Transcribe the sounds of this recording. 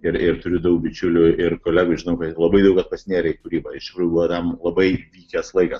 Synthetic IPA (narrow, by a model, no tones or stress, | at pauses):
ɪɾɪrt̪ʊɾʲʊd̪ɐʊk̚bʲɪt͡ʃʲʊlʲʊɪrkoːlʲæːɡʊʒʲɪnɐʊkɐlˠɐbɐɪd̪ɐʊkɐt̪̚pɐsʲnʲeːɾʲɛɪkʊɾʲiːbɐɪʃɾubuɐt̪ɐmlˠɐbɐɪʋʲiːkʲɛslˠɐɪkɐs